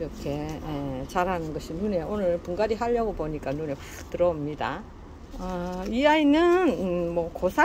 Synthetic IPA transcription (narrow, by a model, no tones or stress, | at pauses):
iɾʌkʰe̞et͡ɕaɾɦanɯnɡʌɕʰinune̞onɯɭpuŋɡaɾiɦaʎːʌɡoboɲik͈anune̞ | tɯɾʌmɲida̰ | ʌiainɯnmʌkosʰa